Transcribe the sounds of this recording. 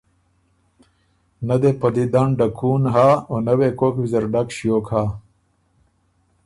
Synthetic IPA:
nɐd̪epɐd̪id̪aɳɖɐkʰuːnɦaːonɐweːkoːkbizɐɾɖɐkɕjoːkhaː

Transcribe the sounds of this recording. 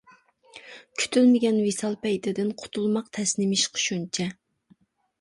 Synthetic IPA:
kʲʰy̥t̪ʰylmɪɡʲɛnwisɑlˠpʰɛjt̪ʰɪd̪ɪnqʰʊ̥t̪ʰulˠmɑqt̪ʰɛsnɪmɪʃqʰʊ̥ʃunt͡ʃʰɛ

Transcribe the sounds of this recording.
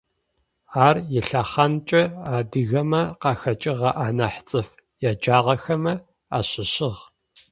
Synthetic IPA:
aːrjɪɬaχɐnt͡ʃʼɐaːdɨɣɐmɐqɑːxɐt͡ʃʼɪʁɐʔaːnɐħt͡sʼɨf | jaːd͡ʒaːʁɐxɐmɐ | a̰ːɕʼɪɕɪʁ

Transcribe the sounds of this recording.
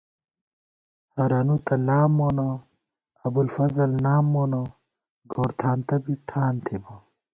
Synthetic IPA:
hɐɾɐnut̪ɐlaːmːoːno | ɐbulfɐzɐlnaːmːoːno | ɡoːɾt̪ʰaːnt̪ɐbiʈʰaːnt̪ʰebo

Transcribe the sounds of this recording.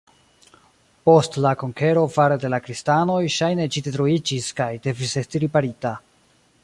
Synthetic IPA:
po̞stlako̞ŋke̞ɾo̞vaɾede̞lakɾistano̞jʃajne̞t͡ʃidetɾoid͡ʒiskajde̞vise̞stiɾipaɾita

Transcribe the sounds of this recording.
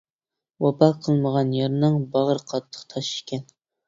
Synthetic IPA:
wɑpʰɑqʰəlˠməʁɑnjɑɾnɨŋbɑʁəɾqʰɑt̪ʰːə̥qt̪ʰɑʃi̥kʲɛn

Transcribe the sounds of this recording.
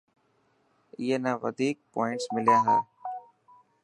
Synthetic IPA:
ɪːɦenãːʋə̰d̪ʱiːk̚pɔːɪ̃ɳʈsmɪlijãːɦaː

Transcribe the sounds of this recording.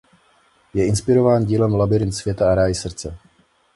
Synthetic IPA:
jɛʔɪnspɪɾo̞vaːnɟiːlɛmlabɪɾɪnt̪svjɛt̪aaɾaːjɪsr̩t͡sɛ

